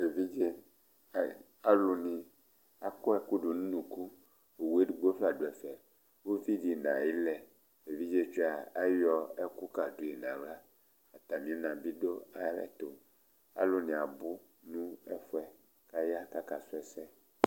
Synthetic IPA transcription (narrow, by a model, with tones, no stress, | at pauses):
e˨vi˦d͡ʒe˦˨ | a˦lu˨nĩ˨ | a˨ko˦ɛ˨ku˦ɖu˨nũ˦nũ˨ku˦ | e˨wu˦e˦ɖu˨ɡ͡bo˦fla˨ɖo˨ɛ˨fɛ˨ | wo˦vi˦di˨nã̰˨i˦lɛ˨ | e˨vi˦d͡ʒe˦t͡ʃi˦a˨a˦jɔ˦ɛ˦ku˦ka˨ɖu˨˦i˨nã˨wla˦ | a˨t̪a˨mĩ˨e˦nã˨bi˦ɖo˦a˦lɛ̰˦t̪o˨ | a̰˦lo˨nĩ˨a˨bu˦ | nũ˦ɛ˦fɔ˦ɛ˨ | ka˦ja˦ka˦ka˨su˦ɛ˨sɛ˦